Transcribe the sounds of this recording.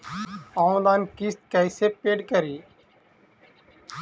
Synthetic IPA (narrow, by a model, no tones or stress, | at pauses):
aũd̪aːnkist̪̚kəjsepeːɖkəɾiː